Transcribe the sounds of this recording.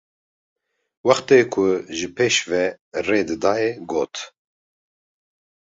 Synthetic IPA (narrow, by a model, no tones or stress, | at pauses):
wɑxt̪eːkʰʊʒɨpʰeːʃvɛ | reːd̪ɨd̪ɑːjɛɡoːt̪